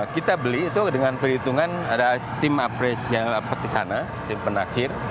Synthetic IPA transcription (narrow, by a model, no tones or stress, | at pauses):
kit̪abəliːt̪udəŋanpəɾit̪uŋanadat̪ɪmapɾesialapat̪̚isana | t̪ɪmpənat͡ʃɪr